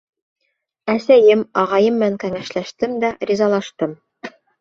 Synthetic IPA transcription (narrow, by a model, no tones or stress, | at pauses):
æsæjɘmɑʁɑjɤmːɘ̆næŋkæŋæʃlæʃt̪ɘmd̪æɾʲizɑlˠɑʃt̪ɤm